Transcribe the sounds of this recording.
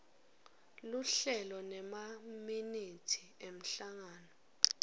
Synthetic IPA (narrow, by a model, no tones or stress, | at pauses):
luɬɛlɔnɛmaminitʰi̥ | em̩ɬaŋaːnɔ